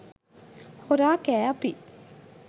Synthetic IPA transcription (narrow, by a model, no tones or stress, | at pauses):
hoɾaːkæːɐpi